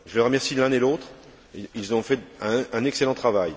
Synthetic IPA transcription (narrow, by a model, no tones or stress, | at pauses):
ʒələʁəmɛʁsilɛ̃elot̪χ | ilzɔ̃fɛɛ̃ɛ̃nɛkselɑ̃t̪χavaj